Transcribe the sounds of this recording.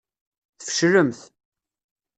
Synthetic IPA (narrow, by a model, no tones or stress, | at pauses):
θfə̥ʃɾəmθ